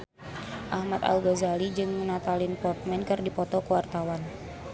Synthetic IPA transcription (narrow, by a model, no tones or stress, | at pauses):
ʔahmat̪a̰uɡazalid͡ʒɨŋnat̪alɪnpɔrt̪̚mɛnkɨrdipɔt̪ɔkuwart̪awan